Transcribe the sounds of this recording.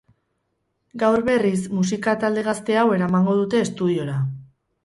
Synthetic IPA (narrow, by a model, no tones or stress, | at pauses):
ɡawɾβe̞rismusikat̪ald̪e̞ɣ̞ast̪e̞awe̞ɾamaŋɡo̞ð̞ut̪e̞ːst̪uð̞io̞ɾa